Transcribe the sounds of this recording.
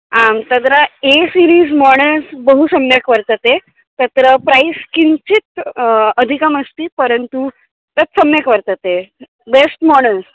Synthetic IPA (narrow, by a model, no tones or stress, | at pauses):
amt̪ət̪ɾaesiɾiːzmɔɳ̃əsbəɦusəmjəkʋəɾt̪ət̪e | t̪ət̪ɾəpɾajskint͡ɕit̪əd̪ʱikəməst̪iːpəɾənt̪u | t̪ət͡s̪səmjəkʋəɾt̪ət̪e | besʈmɔɳ̃əs